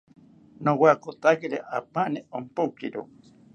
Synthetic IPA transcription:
nowakot̪akeɾeʔapaneompokiɾo̰

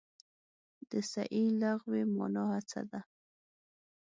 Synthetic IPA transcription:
d̪̥əsa̰ʔilaɣwemɑ̰nɑhat͡sa̰d̪a

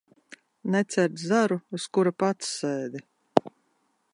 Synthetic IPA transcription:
nɛt̪sʲɛɾt̪zaɾuuskuɾapat̪sːɛːd̪i

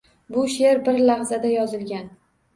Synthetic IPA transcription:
bʊʃe̞ɾbɪɾlaʁzad̪ajɒzɪlɡʲan

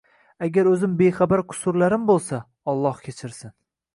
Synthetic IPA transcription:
aɡʲaɾɵzɪmbejχabaɾqʰʊ̥sʊɾlaɾɪmbolˠsa | ɒlˠːɒhkʲʰet͡ʃʰɪɾsɪn

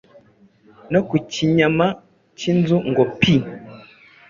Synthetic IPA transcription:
nokuciɲama | cinzuŋɡopi

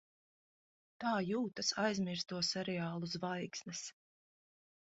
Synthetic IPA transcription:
t̪aːjuːt̪asajzʲmiɾst̪uɔsɛɾɛaːlˠuzvajksnɛs

